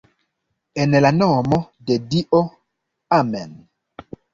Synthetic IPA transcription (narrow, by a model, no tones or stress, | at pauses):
ɛnɛlanɔmɔ | dɛdiʔo | amɛn